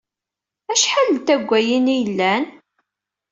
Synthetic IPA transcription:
æʃħalənt̪æɡʷːæjinijəlːæn

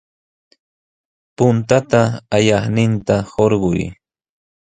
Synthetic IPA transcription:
pʊnt̪at̪aːjɑχnɪnt̪ahoɾɢʊj

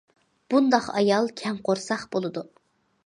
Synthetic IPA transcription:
b̥und̪ɑqɑ̰jɑlˠkʲʰɛŋqoɾsɑχbolˠɨd̪u

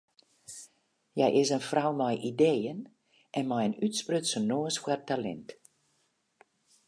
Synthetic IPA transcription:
jɛjʔɪsənfrawmɔjʔideːən | ʔɛnmajənytsprøtsənoːəsfwartalɛ̰nt

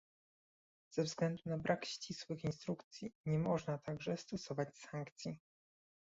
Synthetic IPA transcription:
z̥ɛvzɡlɛnd̪unabɾʔakɕt͡ɕiswɘxinst̪ɾukt̪sʲjiɲɛmɔʐnat̪ʰaɡʐɛst̪ɔsɔvat͡ɕsaŋkt̪sʲji

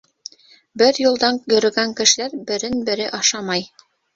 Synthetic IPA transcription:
bɘɾjŭlˠd̪ɑŋjɵ̆ɾɘ̆ɡæŋkɘ̆ʃɘ̆læɾbɘ̆ɾɘnbɘ̆ɾɘʔɑʃɑmɑj

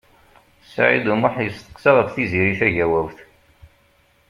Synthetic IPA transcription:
sʕḭd̪umʊħjəst̪ə̥qːsɑʁəfθiziɾiʃæʝæwæwθ

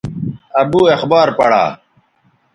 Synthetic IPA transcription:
ɐbuːexbaːɾpɐɽa̰ː

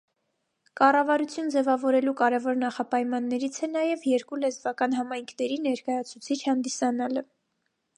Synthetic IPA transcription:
kɑrɑvɑɾut͡sʰjund͡zɛvɑvɔɾɛlukɑɾɛvɔɾnɑχɑpɑjmɑnːɛɾit͡sʰɛnɑjɛvjɛɾkulɛzvɑkɑn̪ɦɑmɑjŋkʰnɛɾinɛɾkɑjɑt͡sʰut͡sʰit͡ʃʰhɑnd̪isɑnɑlə

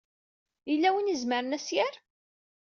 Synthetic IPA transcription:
ilːæwinəzməɾənæsjæɾ

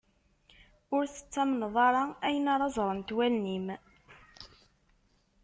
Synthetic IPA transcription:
ʊɾθə̥t͡sːæmnðˤɑɾˤɑæjənaɾˤɑzˤɾˤənt̪wælnim

